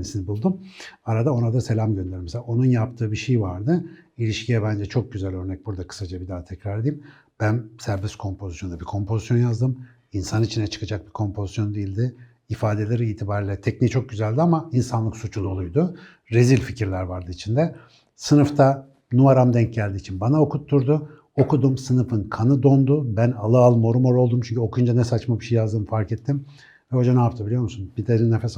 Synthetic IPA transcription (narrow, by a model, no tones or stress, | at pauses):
nisinbulˠd̪umaɾad̪ao̞nad̪ase̞lʲamɟønd̪eɾmɛselao̞nunjapt̪ʰɯːbiʃejvaɾd̪ɯilʲiʃcʰijɛbænd͡ʒɛt͡ʃʰo̞k̚ɟyzælʲø̞ɾnɛc̚buɾd̪akʰɯ̥sad͡ʒabid̪aːt̪ʰɛcɾaɾed̪iːim | b̥ænsæɾbɛskʰo̞mpʰo̞zisjond̪abikʰo̞mpʰo̞zisjo̞njazd̪ɯm | insanit͡ʃʰinɛt͡ʃʰɯ̥kʰad͡ʒak̚bikʰo̞mpʰo̞zisjo̞nd̪ijilʲd̪ɪ | ifaːd̪e̞lʲeɾiiːt̪ʰibaːɾilʲɛt̪ʰɛcnit͡ʃʰo̞k̚ɟyzælʲd̪iamainsanlˠɯksut͡ʃʰulˠolˠujd̪ʊ | ɾezilʲficʰiɾlʲæɾvaɾd̪ɯit͡ʃʰind̪ɛ | sɯnɯft̪ʰa | nuaɾamd̪ɛɲc̚ɟælʲd̪iːt͡ʃʰinbanao̞kʰut̪ʰːuɾd̪ʊ | okud̪umsɯnɯfɯnkʰanɯd̪ond̪ʊbænalˠɯalˠmo̞ɾumo̞ɾo̞lˠd̪umt͡ʃʰynɲʲcʰyo̞kʰujund͡ʒanɛsat͡ʃmabiʃejjazd̪ɯmfaɾkɛt̪ʰːim | vɛho̞d͡ʒanaːpt̪ʰabilʲijomusunbid̪eɾinːɛfɛs